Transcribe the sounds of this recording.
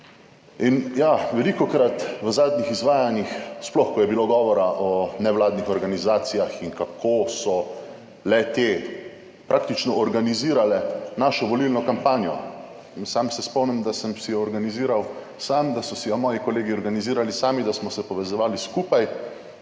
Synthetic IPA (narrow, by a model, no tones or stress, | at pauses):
injaʋɛlikɔkɾat̪ʋəzaːd̪nixizʋaːjanixsplɔxkɔjɛbiloɡɔːʋɔɾaʔɔnɛʋlaːd̪nixɔɾɡanizaːt̪sijaxiŋkakʰoːsɔ | lɛt̪e | pɾaːkt̪it͡ʃnɔʔɔɾɡaniziːɾalɛnaːʃɔʋɔlilnɔkampaːnjɔ̰ | nsamsɛspɔmnɛmd̪asəmsɛjɔːɾɡaniziːɾaw | saːmd̪asɔsɛjɔmɔːjikɔleːɡiɔɾɡaniziːɾalisaːmid̪asmɔsɛpɔʋɛzɔʋaːliskuːpaj